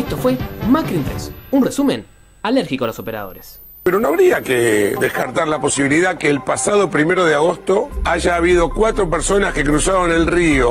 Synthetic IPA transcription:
est̪ofwe̞makɾint̪ɾesunresumḛ̃n | aleɾxikoaloso̞pe̞ɾa̰ð̞o̞̰ɾes | peɾonoaβɾiakeðehkaɾt̪aɾlapo̞siβiliðakeːlpasaðopɾime̞ɾoð̞eaɣ̞o̞st̪o̞aʒaːβ̞iðo̞kwat̪ɾo̞peɾso̞naske̞kɾusaɾone̞lrio̞

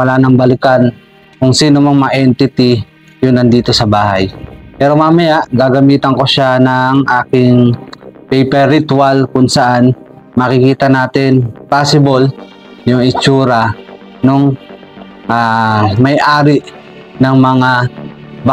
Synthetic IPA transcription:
wɐlaːnɐŋbɐlɪkan | kʊŋsiːnomɐŋmɐŋaʔɛnt̪ɪt̪ɪ | jʊnlɐnd̪iːt̪o̞sɐbaːɦajpɛːɾo̞maːmɐjaʔɡaːɡɐmiːt̪ɐŋko̞ʃanɐŋʔaːkɪŋpɛjpɛɾɪt̪walkʊŋsɐʔan | mɐkɪkiːt̪ɐnaːt̪ɪnpaːsɪbol | jʊŋɪt͡ʃuːɾɐ | noŋ | ʔamɐjʔaːɾɪʔ | nɐŋmɐŋa | b

